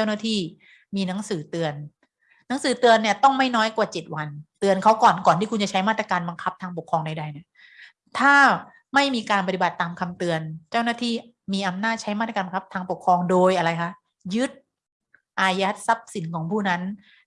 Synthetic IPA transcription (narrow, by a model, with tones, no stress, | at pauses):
t͡ɕa˥˩wnaː˥˩t̪ʰiː˥˩ | miː˧na˨˦˥ŋsɯː˩˦t̪ɯ˧ənː | a˦˥ŋsɯː˨˩˦t̪ɯ˧ənːi˥˩ɐt̪ɔ˥˩ŋma˥˩jnɔː˦˥jkwaː˨˩t͡ɕe˨˩t̪̚wa˧nt̪ɯ˧ənkʰa˦˥wkɔː˨˩nkɔː˨˩nʰiː˥˩kʰu˧nt͡ɕa˨˩t͡ɕʰa˦˥jmaː˥˩t̪ɾa˧kaː˧nba˧ŋkʰa˦˥p̚t̪ʰaː˧ŋpo˨˩kʰːɾɔː˧ŋda˧jda˧jni˥˩ | t̪ʰaː˥˩ | ma˥˩jmiː˧kaː˧npa˧t̪i˨ba˨˩t̪ːaː˧mkʰa˧mt̪ɯ˧ənt͡ɕa˥˩wnaː˥˩t̪ʰiː˥˩ | miː˧ʔa˧mnaː˥˩t̪̚t͡ɕʰa˦˥jma˥˩t̪ɾaː˧ba˧ŋkʰp̚t̪ʰaː˧ŋpo˨˩kʰɾɔː˧ŋdoː˧jʔa˧ɾa˧jkʰa˦˥ʔ | jɯ˦˥t̪̚ | ʔaː˧ja˦˥t̪̚sa˦˥p̚si˩˦nkʰɔː˩˦ŋpʰuː˥˩na˦˥n